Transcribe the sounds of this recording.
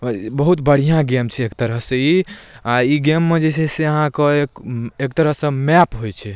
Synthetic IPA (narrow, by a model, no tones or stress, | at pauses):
bəɦut̪bəɽ̤ijãɡemt͡ʃʰiekt̪əɾəɦsə̃iaiɡemːed͡ʒesɛseəɦãkeekekt̪əɾəɦsə̃mɛpɦojt͡ʃʰɛ